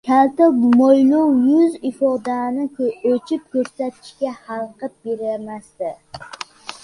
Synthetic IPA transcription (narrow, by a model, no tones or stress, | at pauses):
kʲʰalt̪ɪmojlowjʊzɪfɒd̪anɪkʲʰot͡ʃʰɪp̚kʲɵɾsat̪ʰɪ̥ʃkʲahalˠqɨp̚beɾamast̪ɪ